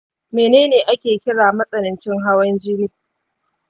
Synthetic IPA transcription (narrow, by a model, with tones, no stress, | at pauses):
meː˨neː˦neː˨ʔa˦kʲeː˨kʲɪ˦ɽaː˨mɐ˦sʼɐ˨nɪ˨nt͡ʃɪ˦ŋɦa˦wɐ˦nd͡ʒɪ˦ɽiː˦